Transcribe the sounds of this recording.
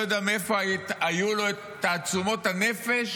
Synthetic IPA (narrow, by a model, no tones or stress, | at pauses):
jod̪eamefo̞aajulo̞e | t̪aːt͡sumo̞t̪hane̞fe̞ʃ